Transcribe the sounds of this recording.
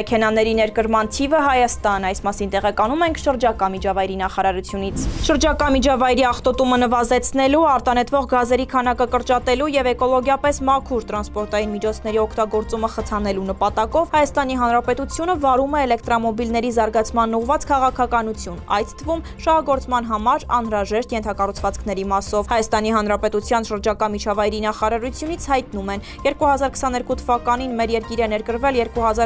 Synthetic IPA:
ɛkʰɛnɑnɛɾinɛɾkəɾmɑnt̪ʰivəɦɑjɑst̪ɑnɑjsmɑsint̪ɛʁɛkɑnumɛŋkʰʃəɾd͡ʒɑkɑmid͡ʒɑvɑjɾinɑχɑɾɑɾut͡sʰjunit͡sʰʃəɾd͡ʒɑkɑmid͡ʒʰɑvɑjɾiɑχt̪ɔt̪umənəvɑzɛt͡sʰnɛluɑɾt̪ɑnɛt̪ʰvɔʁɡɑzɛɾikʰɑnɑkəkəɾt͡ʃɑt̪ɛlujɛvɛkɔlɔɡjɑpɛsmɑkʰuɾt̪ɾɑnspɔɾt̪ɑjinmit͡ʃʰɔt͡sʰn̪ɛɾiɔkʰt̪ɑɡɔɾt͡suməχət͡sʰɑnɛlunəpɑt̪ɑkɔvhɑjɑst̪ɑniɦɑnɾɑpɛt̪ut͡sʰjunəvɑɾumɛːlɛk̚t̪ɾɔmɔbilnɛɾizɑɾɡɑt͡sʰmɑnːuʁvɑt͡skʰɑʁɑkʰɑkɑnut͡sʰjunɑ̰jt̪ʰt̪ʰːəvum | ʃɑhɑɡɔɾt͡smɑn̪ɦɑmɑɾɑnhɾɑʒɛʃt̪jɛnt̪ʰɑkɑrut͡sʰvɑt͡skʰnɛɾimɑsɔvhɑjɑst̪ɑniɦɑn̪ɾɑpɛt̪ut͡sʰjɑnʃəɾd͡ʒɑkɑmit͡ʃʰɑvɑjɾinɑχɑɾɑɾut͡sʰjunit͡sʰhɑjt̪numɛn | jɛɾkuhɑzɑɾkʰə̥sɑnɛɾkut̪ʰəvɑkɑn̪inmɛɾjɛɾkiɾɛnɛɾkəɾvɛljɛɾkuɦɑzɑɾ

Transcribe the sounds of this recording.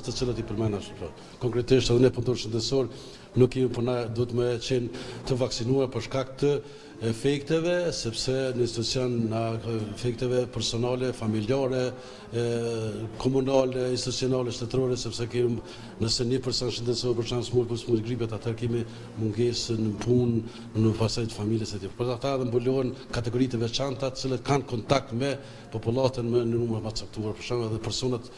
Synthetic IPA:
t̪ət͡silat̪ipəɾmɛnaʃəpɾɔ | kɔŋkɾɛt̪iʃt̪ɛðɛnɛpunt̪uɾʃənd̪ɛsɔɾ | nukːɛmipənad̪uət̪mət͡ʃɛnt̪əvaksinuaɾpəɾʃkakt̪ə | ɛfɛkt̪ɛvɛsɛpsɛnəinst̪it̪ut͡sjɔnːafɛk̚t̪ɛvɛpɛɾsɔnalɛfamiliaɾɛ | kʰɔmunalɛinstit̪usiɔnɑlɛʃt̪ɛt̪ɾɔɾɛsɛpsɛkɛmi | nəsɛɲəpəɾsɔnʃənd̪ɛsɔpəɾt͡ʃansmuɾkusmuɡɾip̬at̪at̪ʰɛɾkɛmi | muŋɡɛsənəpun | nəpasajt̪ə̥familjɛsɛt̪ippəat̪aɛðɛmbulɔɛnkat̪ɛɡɔɾit̪ɛvɛt͡ʃant̪at̪ə̥t͡silət̪̚kankɔnt̪ak̚t̪mɛ | pɔpulˠat̪ənmɛnənumɾt̪mat̪ət͡sap̚t̪uaɾpəɾt͡ʃanɛðɛpɛɾsɔnat̪

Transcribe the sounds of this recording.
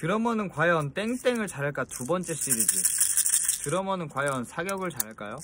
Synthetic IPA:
kɯɾʌmʌnɯnkwajʌnt͈e̞ŋt͈e̞ŋɯɭt͡ɕaɾɦaɭk͈atubʌnt͡ɕ͈e̞ɕ͈iɾid͡ʑi | kɯɾʌmʌnɯnkwajʌnsʰaɡjʌɡɯɭt͡ɕaɾɦaɭk͈ajo

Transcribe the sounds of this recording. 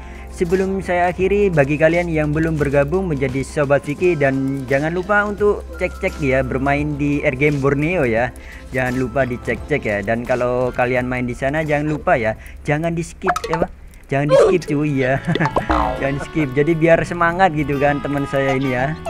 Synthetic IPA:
səbəlʊmsajaːkiɾibaɡikalianjaŋbəlʊmbərɡabʊŋməɲd͡ʒadisobat̪̚fikidand͡ʒaŋanlupaunt̪ʊkt͡ʃɛk̚t͡ʃɛk̚jabərmaɪndiɛrɡɛmbɔrneoja | d͡ʒaŋanlupadit͡ʃɛk̚t͡ʃɛkjadankalowkalianmaɪndisanad͡ʒaŋanlupaja | d͡ʒaŋandiskɪp̚apa | d͡ʒaŋandisəkɪp̚t͡ʃuja | d͡ʒaŋandisə̥kɪp̚d͡ʒadibiarsəmaŋat̪̚ɡit̪̬ukant̪əmənsajainija

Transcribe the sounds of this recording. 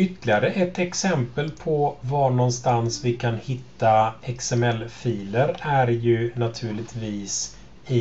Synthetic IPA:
ʏt̪ːlɪaɾəʔɛt̪ɛksɛmpəlpʰɔvaɳɔnst̪ansvɪkʰanhɪt̪ːaɛksɛmɛlfiːləɾæɾjɵnat̪ʰʉ̟ːɭɪt̪viːs | ɪ

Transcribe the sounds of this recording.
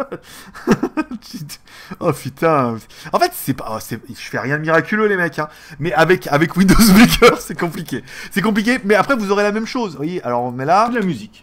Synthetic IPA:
tit̪ | ɔpyt̪ʰɛ̃ | ɑ̃fɛt̪sɛpaɔ̰sɛʒ̥əfɛʁjɛ̃d̪əmiʁakʲylølemɛkɛ̃ | mɛavɛkavɛkwĩnd̪ozwlikʲœʁsɛkɔ̃plikʲesɛk̬ɔ̃p̬lik̬ʲemɛapχɛvuzɔʁelamɛmʃozvwajeʔalɔʁɔ̃nɛlad̪əlamyzikʲ

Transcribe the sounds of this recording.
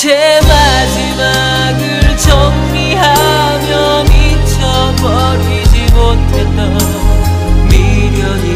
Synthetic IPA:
t͡ɕʰema | d͡ʑima | ɡɯɭt͡ɕʰʌŋmiɦa | mjʌ | mit͡ɕʰʌ | bʌ | ɾid͡ʑimotʰet̪a | miɾjʌne

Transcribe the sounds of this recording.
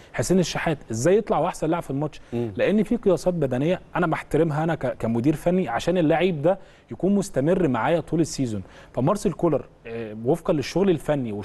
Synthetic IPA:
ħesːeneʃːaħæːt̪ʔezːæːjːet̪ˤlɑʕwʔaħsænlaʕbfelmɑʃleʔenːfiːqejɑsˤɑːt̪̚bæd̪ænejːæʔænæmaħt̪æɾemɦæʔænækækæmod̪iːɾfænːiʕaʃæːnelːaʕiːb̚d̪æ | jækuːnmost̪æmerːmaʕaːjæt̪ˤuːlesːiːzonfæmɑɾˤsˤelkolɑɾˤ | wefqɑnleʃːoɣlelfænːiwe

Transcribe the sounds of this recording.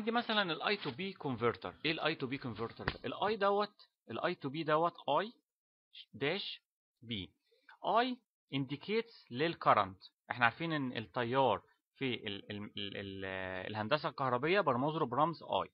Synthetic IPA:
ʕand̪imæsælænelʔɑjt̪ubiːkonveɾt̪ɑ̰ɾˤʔeːlʔɑjt̪uːbiːkonveɾt̪ɑɾˤd̪æ̰ʔelʔɑːjd̪æwːæt̪ | ʔelʔɑjt̪ubiːd̪æwːæt̪ʔɑːj | d̪æːʃ | biː | ʔɑːj | ʔend̪ikʰeːt̪slelkɑɾˤɑ̰nt̪ʔeħnæʕaɾfiːnenːḛt̪ˤːɑjːɑːɾˤ | fiʔeeelḛlhænd̪æs̬ælkɑhɾˤɑbejːæbɑɾˤmɑzˤɾobɾˤɑmzʔɑ̰ːj

